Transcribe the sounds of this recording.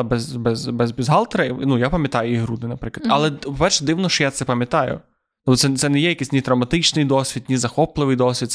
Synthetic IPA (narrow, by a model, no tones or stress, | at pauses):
ɐbɛzbɛzbɛzbʲizɦɑlˠt̪ɾɐnujapɐmʲjɐt̪ɑjʊiɦɾud̪ɪnɐpɾɪklˠɐd̪ɐlˠɛpɔpɛrʃɛd̪ɪwnɔʃt͡ʃɔjat̪sɛpɐmʲjɐt̪ɑjʊ̰ | t̪ɔɔsɛt̪sɛnɛjɛjɐkisʲnʲit̪ɾɐwmɐt̪ɪt͡ʃnɪjd̪ɔsʲʋʲid̪nʲizɐxɔplˠɪʋɨjd̪ɔsʲʋʲid̪